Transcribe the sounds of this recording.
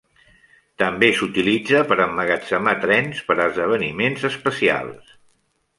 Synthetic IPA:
t̪əmbesut̪ilid͡zəpəɾəmːəɣət͡səmat̪ɾɛnspəɾəzðəβ̞ənimenzəspəsia̰lˠs

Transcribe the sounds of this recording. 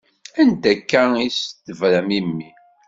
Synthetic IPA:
ænd̪ækːæist̪ːəvɾæmimːi

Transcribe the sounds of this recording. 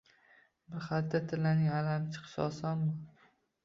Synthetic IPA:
bɪɾχat̪ːat̪ʰɪlanɪŋalamt͡ʃʰɪ̥qsɒ̰sɒnbɒ

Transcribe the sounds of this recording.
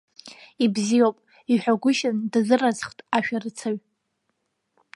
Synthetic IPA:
ibzijowpʼ | iħʷᶣaɡʷʊʃandazɨrazχtʼaʃᶣarɨt͡sʰaɥ

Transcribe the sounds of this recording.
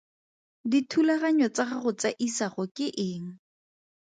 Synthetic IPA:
ditʰulaɣaɲɔt͡saχaχʊt͡saʔisaχɔkʼɪʔɪːŋ̩

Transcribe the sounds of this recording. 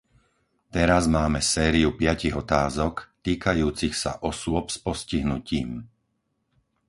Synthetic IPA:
t̪ɛɾazmaːmɛsɛːɾiupɪaciɣɔt̪aːzɔkt̪iːkajuːt͡sixsa̰ʔɔsʊɔpspɔsciɦnuciːm

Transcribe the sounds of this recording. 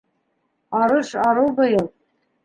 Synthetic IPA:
ɑɾɤʃɑɾɤwbɤ̆jɤlˠ

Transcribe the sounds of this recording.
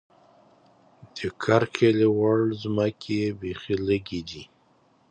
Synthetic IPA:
d̪̥əkʰaɾkʰelewaɭzməkʰebexiləɡid̪i

